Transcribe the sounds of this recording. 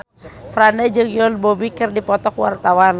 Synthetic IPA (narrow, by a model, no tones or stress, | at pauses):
fɾanəd͡ʒəŋjɔlbɔbikərdipɔt̪ɔkwa̰rt̪awan